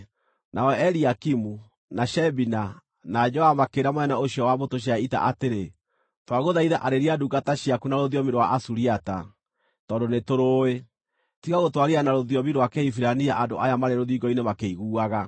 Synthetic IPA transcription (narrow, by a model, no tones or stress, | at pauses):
nʔaɛɛɾiakimu | naʃɛbina | nad͡ʒɔamakeɾamwɛnaoɕjɔwamotoɕ̬jaita̰ʔateɾe | twaɣoðaiðaʔaɾeɾiaduɡataɕiakunaɾoðjɔmiɾwaʔasuɾiata | tɔːndonetoɾoːe | tiɣaɣotwaɾianaɾoðjɔmiɾwakɛifiɾaniaʔandoʔajamaɾeɾoðiɡɔinemakeiɣuːaɣa